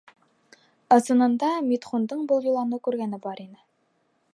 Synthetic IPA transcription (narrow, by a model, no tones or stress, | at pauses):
ɤ̆sɤ̆nɤ̆nd̪ɑmʲit̪χund̪ɤɴbɤ̆lˠjulˠɑnɤkʉɾɡænɘbɑɾinɘ